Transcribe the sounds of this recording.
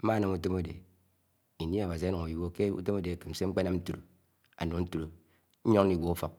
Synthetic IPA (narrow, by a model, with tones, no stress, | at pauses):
m̩˦ma˦nɔ˨ŋu˦te˦mo˦dḛ˨ | i˨n˦i˦a˨wa˨s̬i˨a˦no˨ŋo˨ji˨wo˦ke˦ṵ˦te˦mo˦de˨kɨ˨m̩˨se˦ŋ͡m̩˦k͡pe˦na˦mn̩˦tu˦ɾo̰˨ | a̰˨nu˨˦n̩˦tu˦ɾo˨˦ | ɲo˦ŋ˦ni˨wʷo˨˦u˦fɔ˨k̚